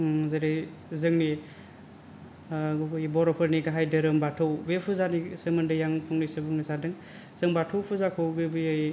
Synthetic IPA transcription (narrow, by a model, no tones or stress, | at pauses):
zɯɾej | zɯŋni | ɡubɯjbɔɾɔpʰɯɾniɡaɦajdɯɾɯmbatʰɯwbepʰuzanisɯmɯndɯjaŋpʰɔŋnɯjsɯbuŋnisadɯŋ | z̥ɯŋbatʰɯwpʰuzakʰɯwɡɯbɯjaj